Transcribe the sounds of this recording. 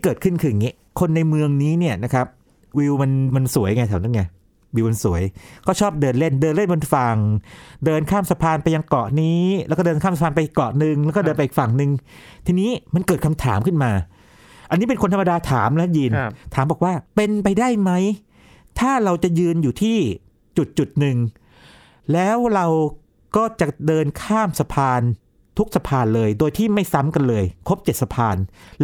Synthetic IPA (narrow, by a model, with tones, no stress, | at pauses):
i˦˥kɤː˨˩t̚kʰɯ˥˩nkʰɯː˧˩˨ŋi˦˥˩ | kʰo˧nːa˧jmɯ˧əŋniː˦˥ni˥˩ɐna˦˥kʰa˦˥p̚ | wi˧wma˧nma˧nsu˩˦əjŋa˧jt̪aː˨˩˦na˥˩ŋa˧˩j | wiː˧wma˧nsu˩˦əjkʰɔː˥˩t͡ɕʰɔː˥˩p̚dɤː˧nle˥˩ndɤː˧nle˥˩nbo˧nfa˨˩ŋdɤː˧nkʰaː˥˩msa˧pʰaː˧npa˧ja˧ŋkɔ˨˩ʔniː˦˥lʔɛː˦˥kɔː˥˩dɤː˧nkʰaː˥˩msa˧aː˧npa˧ʔi˨˩kːɔ˨˩nɯ˧ŋlɛ˦˥wkɔː˥˩ɤː˧npa˧ʔiː˨˩kfa˨˩ŋnɯ˧ŋ | t̪ʰiː˧niː˦˥ma˧nkɤ˨˩t̚kʰa˧mt̪ʰaː˩˦mkʰɯ˥˩nmaː˧ | ʔa˧nːiː˦˥pe˧nkʰo˧nt̪ʰa˧mːa˧daː˧t̪ʰaː˩˦mlɛ˦˥jɯː˧nt̪ʰaː˨˩˦mbɔː˨˩k̚waː˥˩pe˧npa˧jdaː˥˩jma˦˥j | t̪ʰaː˥˩ɾa˧wt͡ɕa˨˩jɯː˧njuː˨˩t̪ʰiː˥˩ | t͡ɕu˨˩t̪̚t͡ɕu˨˩t̪̚nɯ˨ŋ | lɛː˦˥wɾa˧w | kɔː˥˩t͡ɕa˨˩dɤː˧nkʰaː˥˩msa˧pʰaː˧n | t̪ʰu˦˥k̚sa˧pʰaː˧nlɤː˧jdoː˧jt̪ʰiː˥˩ma˥˩jsa˦˥mka˧nlɤː˧jkʰo˦˥p̚t͡ɕe˨˩t̪̚sa˧pʰaː˧n